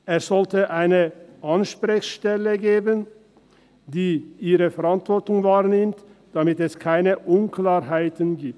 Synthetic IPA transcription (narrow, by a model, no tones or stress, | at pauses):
ʔeːsz̥ɔltəʔaɪnəʔanʃpʁɪçʃtɛləɡeːbən | diːʔiːʁəfɛʁantvɔʁtʊŋvaːʁnɪmtd̥amɪtɛskʰaɪnəʔʊnkʰlaːɾɦaɪtənɡiːp̚t